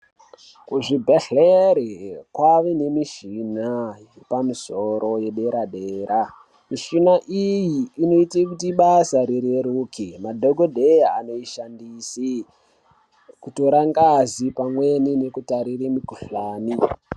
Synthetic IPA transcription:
kuʐibʱeɬeɾikwaʋene̞miʃinajepamisoɾʔo̞jeɗeɾaɗeːɾa | miʃinaʔijiːno̞itekutiɓasaɾiɾeɾuːkʰimadʱoɡʱodʱejaano̞iʃandisi | kuto̞ɾaŋɡazipamwenine̞kutaɾiremiɡʱuɬaːni

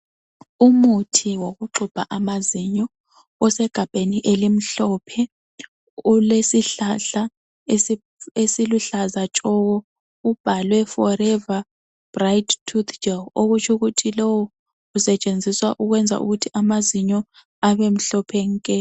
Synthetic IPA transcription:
umutʰiwoɣuǃub̥ʱa̰ʔamaziɲɔ | ɔsɛɡ̥ʱab̥ʱeniʔelim̩ɬɔːpʰɛ | ulesiɬaɬa | e | esiluɬazat͡ʃʼɔɣɔ | ub̥ʱalwɛfɔɾɛva | b̥rajttʰut̪ʰd͡ʒɛoɣut͡ʃʰuɣutʰilɔwɔ | usɛt͡ʃʼend͡zʱiswaʔuɣwɛnd͡zʱa̰ʔṵɣutʰiʔamaziɲɔ | aβem̩ɬɔpʰɛŋ̩kʼɛ

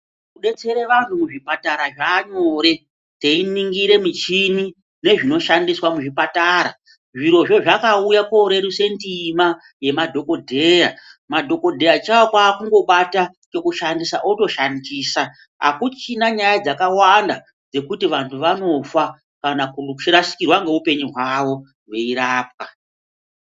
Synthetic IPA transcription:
kuɗe̞t͡se̞ɾeʋantumuʐipataɾaʐaːɲo̞ːɾe̞ | teiniŋɡiɾe̞mit͡ʃini | ne̞ʐino̞ʃandiswamuʐipataːɾa̰ | ʐiɾo̞ʐo̞ʐakaujakoɾe̞ɾuse̞ntima | je̞madʱo̞ko̞dʱera̰madʱo̞ko̞dʱe̞rat͡ʃawokwaːkuŋɡo̞ɓata | t͡ʃe̞kuʃandisaʔoto̞ʃandiːsa | ɦa̰kut͡ʃinaɲajad͡zakawanda | d͡ze̞kutiʋantʰuʋano̞fa | kanakut͡ʃirasi̥kirwaŋɡe̞upe̞ɲuɦwaʋo̞ | weiɾaːp̚ka

